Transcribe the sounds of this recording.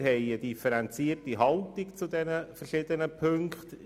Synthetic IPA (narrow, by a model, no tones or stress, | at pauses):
hɛɪədifəɾɛnt͡siːərtiɦɑltikt͡sudɛnəfərʃɪdənəpʰʏŋkχt